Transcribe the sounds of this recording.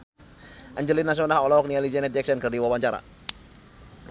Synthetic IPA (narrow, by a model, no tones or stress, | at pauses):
ʔəɲd͡ʒəlinːas̬ɔnaɦɔlɔɔk̚nialid͡ʒɛnɛt̪̚ɛk̚sɛnkərdiwawaɲt͡ʃaɾa̰